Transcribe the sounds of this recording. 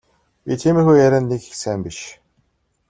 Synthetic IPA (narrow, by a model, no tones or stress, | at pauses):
pʲiːt̪ʰiːmeːxujjæɾʲæːnːekixsæːmpiʃ